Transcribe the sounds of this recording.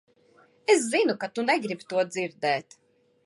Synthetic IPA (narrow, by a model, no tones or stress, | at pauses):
es̬zinukat̪unɛɡɾibt̪uɔd̪ziɾd̪ɛːt̪